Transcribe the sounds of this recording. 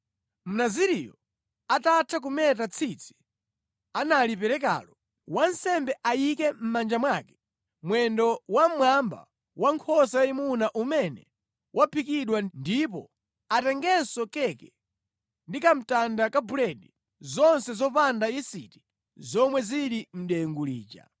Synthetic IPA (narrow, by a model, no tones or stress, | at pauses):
m̩naziɾijɔ | atatʰak̬umɛtat͡sʰit͡sʰi̥ | analipɛɾɛk̬a̰lɔ | wan̩sɛmbɛʔajikɛm̩mand͡ʒamwaːkɛ̥ | mwɛndɔwam̩mwamba̰ | waŋkʰɔsajimunaʔumɛnɛ̰ | wʔapʰikiɗwandip̬ɔ | atɛŋɡɛsɔkɛkɛ | ndikam̩tandakabulɛɗi | zɔnsɛzɔpandaisiti̥ | zɔmwɛziɾim̩ɗɛɛŋɡulḭːt͡ʃa̰